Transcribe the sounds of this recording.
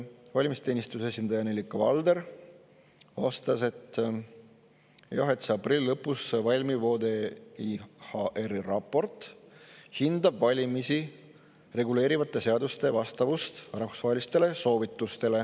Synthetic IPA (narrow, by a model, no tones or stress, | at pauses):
vɑlʲimist̪e̞ːnʲist̪use̞sʲind̪̥ɑjɑnelʲikːɑvɑ̰ld̪e̞ɾ | vɑst̪ɑse̞t̪ː | jɑɦet̪seɑpriliːɤpːˑusvɑlʲmivo̞ːd̪e̞ihɑʔerirɑpːˑo̞rt̪ˑ | hind̪ɑbvɑlʲimisi | re̞ɡule̞ːɾivɑt̪ːˑe̞se̞ɑd̪ust̪e̞vɑst̪ɑvust̪rɑfu̥svɑɦe̞list̪e̞le̞so̞ːvit̪ːˑust̪e̞le̞